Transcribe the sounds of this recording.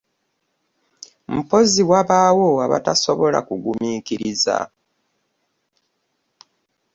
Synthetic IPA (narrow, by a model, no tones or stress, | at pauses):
m̩po̞ziwaβaːwoaβa̰tasoβo̞la̰kuɡumiːkiɾiza̰